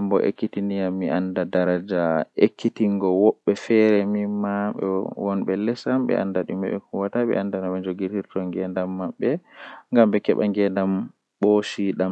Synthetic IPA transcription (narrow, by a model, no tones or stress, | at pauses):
ambɔ̰ʔḛkːitinijamːiʔandadaɾad͡ʒaekʰːitiŋɡɔwɔɓːɛfɛɾɛmimaɓɛ̰wɔnɓɛlɛsamɓɛ̰ʔa̰ndaɗumɛ̰ɓɛ̰kuwataɓɛ̰ʔandanaɓɛɲd͡ʒoɡitiɾtɔŋɡɛndamːaɓːɛŋɡamɓɛkɛɓaŋɡɛndam | ɓoʃiɗam